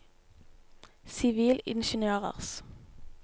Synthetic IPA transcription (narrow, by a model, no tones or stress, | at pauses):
sɪʋiːlɪ̰nʃənøːʁə̰ʁs